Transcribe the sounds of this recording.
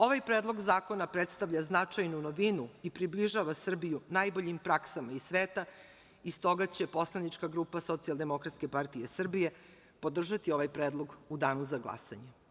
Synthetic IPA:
o̞ʋajpɾeːd̪lˠo̞ɡzaːko̞napɾet̪st̪aʋʎaznat͡ʂajnunoʋinuipɾibliʒaʋasr̩bijunajboʎimpɾaksamaisʋeːt̪a | ist̪o̞ɡat͡ɕepo̞slˠanit͡ʂkaɡɾuːpaso̞t̪siald̪e̞mo̞kɾat̪ske̞paɾt̪ijesr̩bije̞ | po̞d̪r̩ʒat̪io̞ʋajpɾeːd̪lˠo̞ɡud̪aːnuzaɡlˠa̰sa̰ɲe

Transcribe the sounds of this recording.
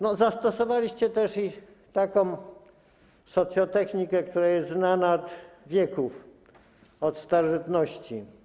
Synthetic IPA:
nɔzast̪ɔsɔvalʲiɕt͡ɕɛt̪ɛʂi | t̪akɔ̃w̃ | sɔt̪sʲjɔt̪ɛxɲikɛk̚t̪uɾajɛst̪znanaɔt̪vʲjɛkuf | ɔt̪st̪aɾɔʐɘt̪nɔɕt͡ɕi

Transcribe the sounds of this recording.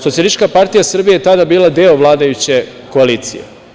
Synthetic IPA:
sot̪ialist͡ʃkapaɾt̪ijasr̩bijeet̪ad̪abiːlˠad̪eoʋlˠaːd̪ajut͡ɕe̞ | koaliːt̪sḭjḛ

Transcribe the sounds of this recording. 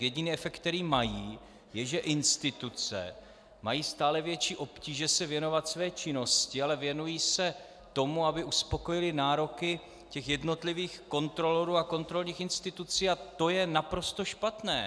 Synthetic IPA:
jɛɟɪniːɛfɛk̚t̪t̪ːɛɾiːmajiː | jɛʒɛʔɪnst̪ɪt̪ut͡sɛ̰ | majiːst̪aːlɛvjɛt͡ʃiːʔo̞pciːʒɛsɛvjɛno̞vat̪svɛːt͡ʃɪno̞scɪalɛvjɛnujiːsɛ | t̪o̞muabɪʔuspo̞ko̞jɪlɪnaːɾo̞kɪ | cɛxjɛdno̞t̪lɪviːxko̞nt̪ɾo̞loɾuːako̞nt̪ɾo̞lɲiːxɪnst̪ɪt̪ut͡siːat̪o̞jɛnapɾo̞st̪o̞ʃpat̪nɛː

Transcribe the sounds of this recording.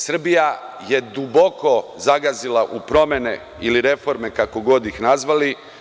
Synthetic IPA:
sr̩bija | je̞d̪ubo̞ko̞zaɡazilaʔupɾo̞me̞nḛ | iliɾe̞fo̞ɾmekako̞ɡo̞d̪ixnazʋali

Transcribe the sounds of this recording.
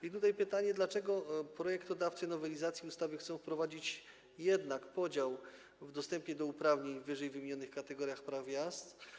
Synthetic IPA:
it̪ut̪ajpɘt̪aɲɛd̪lat͡ʂɛɡɔpɾɔjɛkt̪ɔd̪aft̪sɘnɔvɛlʲizat̪sʲjiust̪avɘxt̪sɔ̃w̃fpɾɔvad͡ʑit͡ɕ | jɛd̪nakpɔd͡ʑaw | vd̪ɔst̪ɛmpʲjɛd̪ɔupɾavɲeɲvːɘʐɛjvɘmʲiɲɔnɘxkat̪ɛɡɔɾʲjaxpɾavvʲjast̪

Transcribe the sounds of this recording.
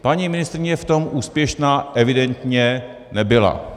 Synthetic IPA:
paɲimɪnɪst̪ɾɪɲɛft̪o̞mʔuːspjɛʃnaːʔɛvɪdɛnt̪ɲɛ | nɛbɪla̰

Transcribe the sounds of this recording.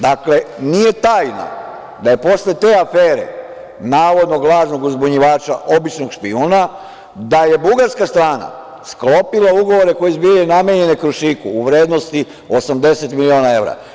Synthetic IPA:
d̪akle̞nije̞t̪aːjna̰ | d̪aje̞po̞sle̞t̪e̞ːafeːɾḛ | naːʋo̞d̪no̞ɡlˠaːʒnoɡuzbuɲiʋaːt͡ʃa̰ʔo̞bit͡ʃnoɡʃpiuna | d̪aje̞buɡaɾskast̪ɾaːna̰ | sklo̞pilauɡo̞ʋo̞ɾeko̞jezbijenameɲe̞nekɾuʃikuːʋɾe̞ːd̪no̞st̪i | o̞samd̪e̞se̞t̪milio̞ːnae̞ʋɾa̰

